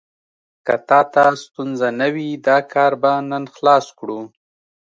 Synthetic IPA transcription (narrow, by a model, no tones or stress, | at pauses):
kat̪ɑt̪ast̪unzanawid̪ɑkʰɑɾbanənxlɑskɽu